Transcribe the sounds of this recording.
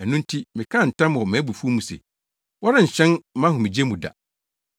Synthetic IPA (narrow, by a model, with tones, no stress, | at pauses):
æ˨nũ˦n̩˦tʰi˦mɪ̃˨kʰã˦˨n̩˨tʰã˦m˨ɔ˨mɛ̃˨˦bu˨fu˦mũ˨sḛ˨ | wɔ˦ɾɪ̃˦ɲ̩˨ɕᶣɛ̃˦n˦mã˦hʊ̃˨mĩ˨d͡ʑe˦mũ˨da̰˨